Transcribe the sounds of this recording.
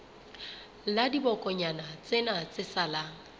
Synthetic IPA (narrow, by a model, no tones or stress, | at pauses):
ladibɔkʼɔɲanat͡sʼenat͡sʼɪsalaːŋ̩